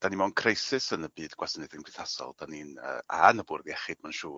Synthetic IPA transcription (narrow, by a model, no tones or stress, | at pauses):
d̥animɔnkʰrejsɨsənəbɨːdɡwasnɨðinb̥l̥iθasɔ̰lˠd̥aninə̰ːa̰nəbʊrðjɛχɨd̚manʃuː